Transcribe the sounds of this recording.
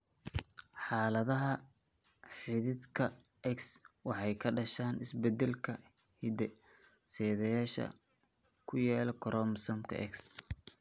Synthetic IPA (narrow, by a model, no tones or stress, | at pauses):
ħɑːlɐðɐɦɐ | ħɪðɪd̪kʰɐ | ʔɛkswɑħɑjkʰɐɖɐʃaːnɪsbɛd̪ɛlkʰɐ | hɪd̪ɛ | sɛːðɛjaːʃɐ̰ | kʰʊjaːlɔkʰɔɾʔɔmsɔmkʰɐ̰ʔɛ̰ks